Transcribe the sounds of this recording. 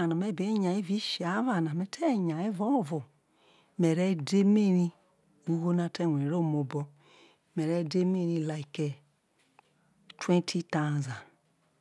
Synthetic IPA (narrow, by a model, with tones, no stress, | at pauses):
a˨na˨me˦˨bi˨˦ɲa˨i˦vi˦ʃi˨a˨˦va˨na˨mɛ˨˦tʰɛ˦˨ɲa˨e˦vo˦˨vo˨ | me˨ɾɛ˦de˦me˦ɾi˦ | u˦ɡo˦na˦˨tɛ˦˨wʷe˨ɾo˦˨mo˨bɔ˦ | mɛ˨ɾɛ˦˨de˦me˦ɾi˦la˨i˨ke˨ | twẽ˦ntʰi˦ta˦˨za˨